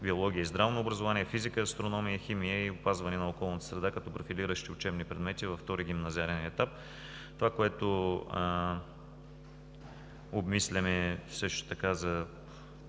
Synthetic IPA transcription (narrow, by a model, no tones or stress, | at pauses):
biolˠɔɡʲiəizd̪ɾavnoːbɾɐzʊvanʲiɛfizikəɐst̪ɾonɔmijəximijəiʊpazvɐnɛnɐokɔlˠnət̪ə̥sɾɛd̪akɐt̪ɔpɾofiliɾəʃt̪iʊt͡ʃɛbnipɾɛd̪mɛt̪ivɐft̪ɔɾiɡʲimnɐzʲiaɾɛnɛt̪ap̚ | t̪ovakoɛt̪ʊ | obmislʲɛmɛfsɤʃt̪o̥t̪ɐkazɐ